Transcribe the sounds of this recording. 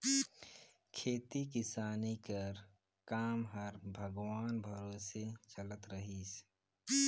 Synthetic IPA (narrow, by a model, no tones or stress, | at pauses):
kʰeːt̪ikɪsaːnikəɾ | kaːmɦɐɾbʱəɡwaːnbʱɐɾoːset͡ʃələt̪ɾəɦiːs